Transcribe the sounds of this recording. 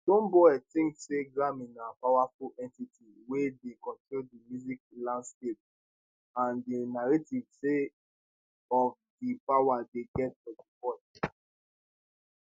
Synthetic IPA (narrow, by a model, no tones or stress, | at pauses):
dɔ̃mbɔɛtĩŋkseɡɹãmĩnapawafulɛ̃ntitʰi | wedekɔ̃ntɹodimjuzik̚lãndskep̚ | ãndenaɹetivse | ɔv | dipawadeɡɛt̚fɔdipɔt